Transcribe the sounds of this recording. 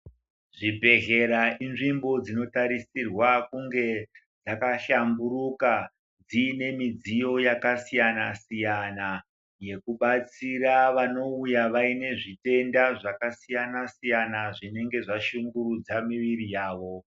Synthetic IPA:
ʐibʱe̞ɦe̞ɾaʔinʐimbo̞d͡zino̞taɾisirwakuŋɡe̞ | d͡zakaɬambuɾuka | d͡ziːne̞mid͡zijo̞jakasijana̰sijana | je̞kuɓat͡siɾaʋano̞ujaʋaine̞ʐite̞ndaʐakasijanasijanaʐine̞ŋɡe̞ʐaʃuŋɡuɾud͡zamiʋirijaːʋo̞

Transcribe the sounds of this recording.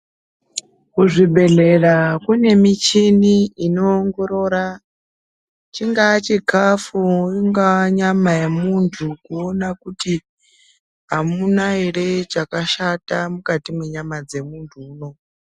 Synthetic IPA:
kuʐiɓe̞ɮe̞rakune̞mit͡ʃiniino̞ːŋɡo̞ɾo̞ːɾa | t͡ʃiŋɡat͡ʃikʰafuiŋɡaɲamajemuntʰukuonakuti | ɦamunairet͡ʃakaʃatamukatimwe̞ɲamad͡ze̞muntʰuːno̞

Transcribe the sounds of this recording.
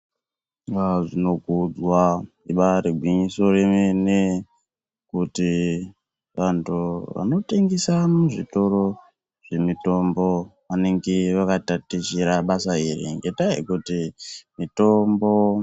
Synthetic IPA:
ŋɡaʐino̞ɡʱud͡zwa | iɓaɾiɡʱwiɲiso̞remene | kuti | ʋantʰuʋa̰no̞teŋɡesamuʐito̞ɾo̞ | ʐ̥e̞mito̞mbo̞ʋane̞ŋɡeʋakatatit͡ʃiɾaɓasaiɾḭŋɡe̞taḭkutimito̞mbo̞

